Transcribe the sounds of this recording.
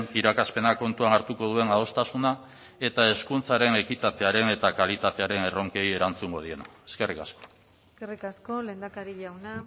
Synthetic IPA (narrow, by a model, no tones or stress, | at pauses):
niɾakaspe̞nako̞nt̪uanaɾt̪uko̞ðue̞naðo̞st̪asuna | e̞t̪ae̞skunt͡saɾe̞ne̞kit̪at̪e̞aɾe̞ne̞t̪akalit̪at̪e̞aɾe̞ne̞ro̞ŋke̞je̞ɾant͡suŋɡo̞ðie̞naeske̞rikasko̞̥ | skerikasko̞le̞ːnd̪akaɾiʎawna